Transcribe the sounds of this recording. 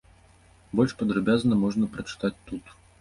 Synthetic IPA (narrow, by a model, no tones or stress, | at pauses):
bɔlʲʂpɐd̪ɾɐbʲaznɐmɔʐnɐpɾɐt͡ʂɨ̥t̪at͡sʲt̪ut̪